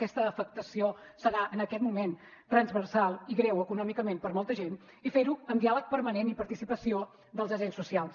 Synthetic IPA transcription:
kɛst̪əːfək̚t̪əsiosəɾaʔənəkɛt̪mumen | t̪ɾənzβərsalˠiɣɾɛwəkunɔmikəmempəɾmɔlˠt̪əʒen | ifeɾuənd̪ialək̚pəɾmənenipəɾt̪isipəsio | d̪əlˠzəʒensusialˠs

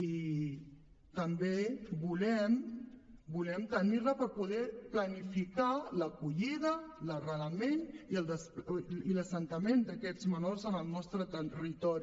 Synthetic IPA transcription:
i | t̪əmbebulɛm | bulɛmt̪əniɾləpəɾpuðɛplənifikaləkuʎiðələrələmeniəlˠd̪əspiləsənt̪əmend̪əkɛzmənorzənəlˠnɔst̪ɾət̪ərit̪ɔɾi

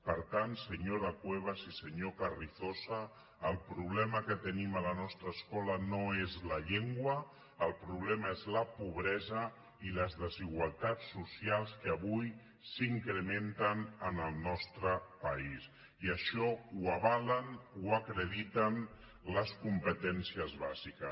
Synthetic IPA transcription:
pəɾt̪ant̪səɲoɾakweβ̞azisəɲokariθosaː | lˠpɾuβlɛməkət̪ənimələnɔst̪ɾəːskɔlanoezləʎeŋɡwə | əlˠpɾuβlɛmaezləpuβ̞ɾɛzə | iləzðəziɣwalˠt̪at͡sːusialˠskəəβuj | siŋkɾəment̪ənənəlˠnɔst̪ɾəpais | iəʃɔuaβalənuakɾəðit̪ən | ləskumpət̪ɛnsiəzβazikə

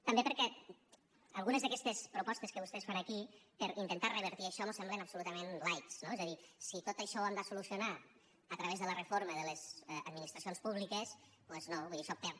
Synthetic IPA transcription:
t̪əmbepəɾkɛ | əlˠɣunəzðəkɛst̪espɾupɔst̪eskəβust̪ɛsfanɐkipəɾint̪ənt̪arəβ̞əɾt̪iəʃɔnosɛmblenapsulut̪əmenlajt̪snoɛzəðisit̪ot̪əʃɔand̪asulusiuna | ət̪ɾəβezðələrəfoɾməðələzə̰ðminist̪ɾɐsionspuβlikəs | pweznoβuijðisɔt̪e

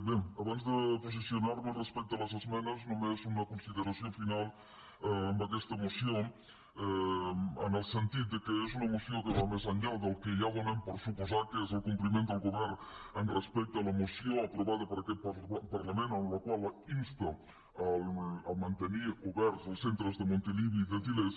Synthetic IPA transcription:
beaβanzd̪əpos̬isjonaɾmelrespɛk̚t̪alazezmɛnɐznomezunɐkonsiðeɾasjõfinal | mbakɛst̪amosjoŋ | ɛa̰nelsent̪it̪̚d̪ekeezunamosjokeβamezaɲald̪elkeʎaβonẽmpoɾsupozaɾkezelkumplimẽnt̪alˠɡoβɛɾnenrespɛk̚t̪alamosjoŋapɾoβaðɐpaɾaket̪̚papaɾlamẽnanlakwalainst̪a | alamãnt̪eniɾoβɛɾsolsent̪ɾozðemõnt̪eliβjiiðet̪iles

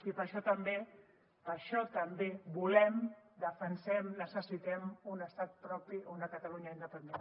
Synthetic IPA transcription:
ipəɾʃɔt̪əmbe | pəɾʃɔt̪əmbeβulɛmd̪əfənsɛmnəsəsit̪ɛmunəst̪at̪̚pɾɔpiund̪əkət̪əluɲəind̪əpənd̪en

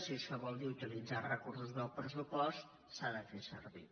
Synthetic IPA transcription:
sieskəβɔlˠd̪iut̪ilid͡zarəkursuzðəlˠpɾəsupɔst̪ | saðəfesə̰ɾβḭ

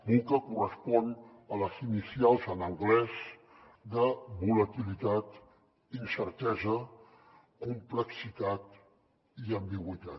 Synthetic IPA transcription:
uŋkəkurəspɔn | ələzinisialˠzənəŋɡlɛz | d̪əβulət̪ilit̪at̪ | insəɾt̪ɛzə | kumpləksit̪at̪ | iəmbiɣwit̪a

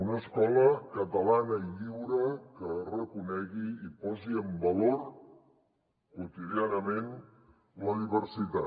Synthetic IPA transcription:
unəskɔləkət̪əlanəiʎiwɾəkərəkunɛɣiipɔziəmbəloɾ | kwut̪iðianəmen | ləðiβəɾsit̪a

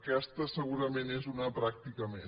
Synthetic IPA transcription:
kɛst̪əsəɣuɾəmenezunəpɾak̚t̪ikəme

